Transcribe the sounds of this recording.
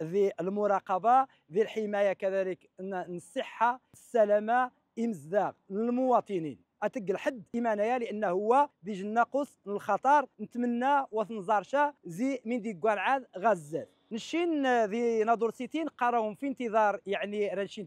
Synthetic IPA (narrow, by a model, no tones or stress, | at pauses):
ðiəlmʊɾˤɑqɑba | ðilħəmæjakæðæləknəsˤːəħːa | əsːælæma | ʔiməzd̪æɣnəlmʊwɑt̪ˤənḭn | ʔæt̪əɡːəlħad̪ːʔimænæjaləʔənːæhʊwːæðiʒənːɑqosˤnəlxɑt̪ˤɑɾˤnət̪mənːæwæθnzˤɑɾˤʃazimind̪iɡwænʕad̪ɣæzːæl | nəʃːinðinɑd̪uɾsit̪inqːɑrˤɑhʊmfint̪iðˤɑɾˤjaʕniɾænʃin